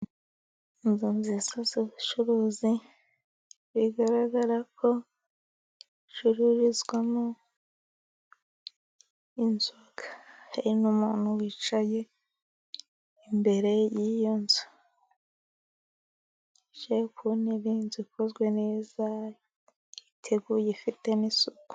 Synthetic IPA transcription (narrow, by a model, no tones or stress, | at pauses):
inzunzisazoβit͡ʃuɾuzi | βiɡaɾaɡaɾakʰo̞ | t͡ʃuɾuɾizɡwamu | inzoɡḁhaɾinumuːn̥huwiːt͡ʃaje̞ | imbe̞ɾe̞jijonza | ʃekuniβinzikozɡwe̞ne̞ːza | itʰe̞ɡujefite̞nisuɡu̥